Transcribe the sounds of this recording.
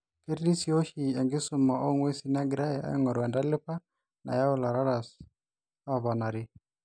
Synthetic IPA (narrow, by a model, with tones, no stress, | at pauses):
ke˦ɾdi˦si˨o˦ʃi˨ɛ˨ŋɡɪ˦sʊ˨ma˨ʔo˦ŋwe˦si˦na˦ɡɾa˦ja˨ɛ̰˦ŋɔ˨ɾwɛ˨nda˦lɪ˦pa˦ | na̰˨ja˦ʊ˦la˨ɾa˦ɾa˨s | a˦˨βɔ˨na˨ɾɪ˦